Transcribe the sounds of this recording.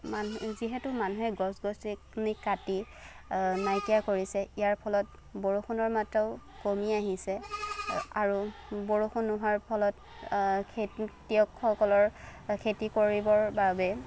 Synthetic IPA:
manziɦɛtʊmanuɦɛɡɔsɡɔstiknikːati | najkijakoɹisɛijaɹpʰɔlɔt̚ | boɹuxunɔɹmatɹɔʊ | komiaɦisɛ | aɹuboɹuxunːʊɦaɹpʰɔlɔt | kʰetiɔkxɔkɔlɔɹkʰetikoɹibɔɹbabɛ

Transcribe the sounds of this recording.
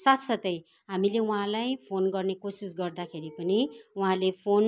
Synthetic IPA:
sat̪sʌt̪ʌj | ɦamileuɦãlajpʰonɡʌrnekosisɡʌrd̪akʰeɾipʌniuɦãlepʰon

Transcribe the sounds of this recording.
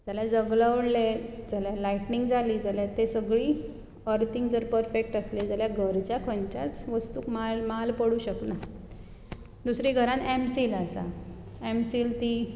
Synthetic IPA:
d͡zaljad͡zəɡləʋɽled͡zaljalaiʈniŋɡd͡zʱaliːd͡zalet̪esəɡɭiː | əɾt̪iŋɡd͡zəɾpəɾfek̚ʈəsled͡zaljaɡʱəɾt͡ɕjakʰə̃nt͡ɕja̰t͡sʋəst̪uːkmalmalpəɽuːɕəkna | d̪usɾiːɡʱəɾãnɛmsiːlasa̰ | ɛmsiːlt̪i

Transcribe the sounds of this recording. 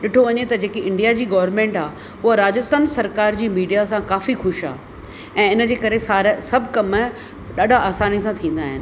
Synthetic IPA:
ɗɪʈʰoʋɐɲet̪ɐd͡ʑeːkeʔɪ̃ɳɖijad͡ʑiːɡɐʋəɾmẽːɳʈaː | ʊɦaɾaːd͡ʑəst̪ansɐɾkaːɾd͡ʑiːmiːɖijasãkaːfixʊʃa̰ː | ɛ̃ːɪnəd͡ʑeːkɐɾesaːɾesɐbʱkɐm | ɗaːɖʱaaːsaːnisãt̪ʰĩːn̆d̪aːɦɪ̰nɪ̆

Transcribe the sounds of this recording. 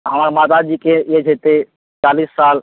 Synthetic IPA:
ɦəmaːɾmaːt̪ad͡ʒiːkeed͡ʒʱeːt̪e | t͡ʃaːliːsːaːl

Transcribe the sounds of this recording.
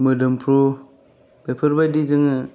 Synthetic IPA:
mɯdɯmpʰɾu | b̥epʰɯɾbajdid͡ʒɯŋɯ

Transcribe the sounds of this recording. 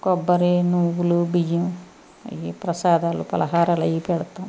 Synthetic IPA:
kɔbːɐɾenuʋulubiju | ɐ̰jipɾɐsaːd̪aːlupɐ̰lɐɦaːɾaːlɐjipɛɽɐt̪ːom

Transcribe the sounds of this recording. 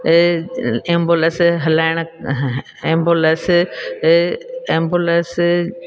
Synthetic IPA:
ẽːmboləsɦɐlaːɪɽ̃ | ẽːmboləs | ẽːmboləs

